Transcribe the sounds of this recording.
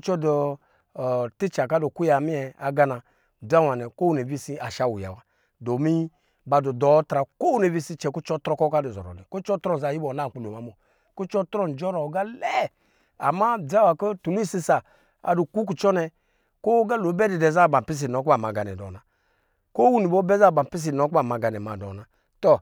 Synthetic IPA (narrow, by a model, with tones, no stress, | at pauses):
t͡ʃɔ˦dɔ˨ | ti˦t͡ʃa˨ka˦do˨ku˦ja˨mi˦ɛ˨a˨ɡa˦na˧ | d͡za˦wa˨nɛ˨ko˦ne˨bi˦si˧a˨ʃa˦˨wu˨ja̰˨wa˨ | do˨mi˦ | ba˧du˨dɔ˨˦tɾa˨ko˦wne˨bi˦si˧˦t͡ʃɛ˨ku˦t͡ʃɔ˦tɾɔ˧˦kɔ˦ka˦du˨zɔ̰˨ɾɔ̰˨nɛ̰˨ko˦t͡ʃɔ˦tɾɔ˦n˨za˧˨ji˦bɔ˨na˦˨k͡pu˨lo˨ma˨˦mo˨ | ko˦t͡ʃɔ˦tɾɔ˦˨n˨d͡ʒɔ˦ɾɔ˨˦ɡa˦lɛ˦˨ | a˨ma˦˨da˦wa˨ko˦tu˨nu˦i˦˨si˧sa˨ | a̰˨du˨ku˦k̬u˨t͡ʃɔ˦nɛ˧ | ko˦ɡa˦lo˨˦bɛ˦di˨dɛ˨za˦˨ba˨pi˦s̬i˨nɔ˨˦k̬a˨ma˨ɡa˨nɛ̰˨dɔ̰˨na˨ | ko˦wu˦ni˨bo˦bɛ˦za˦˨ba˨m˨pi˦s̬i˨nɔ˨˦ka˨ma˨ɡa˨nɛ˨ma˨dɔ̰˨na˨ | tɔ˦